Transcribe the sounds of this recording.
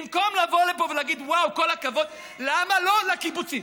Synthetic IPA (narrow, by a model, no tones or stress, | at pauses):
mko̞mlavo̞ʁlepovelaɡid̪wawko̞lakavo̞d̪ | lamalo̞lekibut͡si